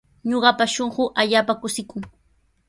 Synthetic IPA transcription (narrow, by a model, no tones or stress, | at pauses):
ɲoɢɑpaʃoɴɢʊʔaʎaːpakʊsɪkʊŋ